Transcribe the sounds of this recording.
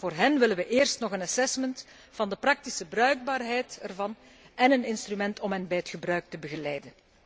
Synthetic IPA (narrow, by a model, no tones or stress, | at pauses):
voːrɦɛnʋɪlənwəʔeːrstnɔxənɑsɛsmənt | vɑndəprɑk̚tisəbrœɥɡ̚baːrɦɛjtɛrvɑn | ɛnənɪnstrymɛntɔmɦɛnbɛjətxəbɾœɥk̚təbəɣəlɛjdən